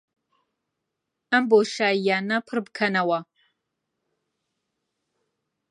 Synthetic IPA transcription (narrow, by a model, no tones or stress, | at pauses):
ɐmboʃaːjaːnɐpʰɨrbkʰɐnɐwɐ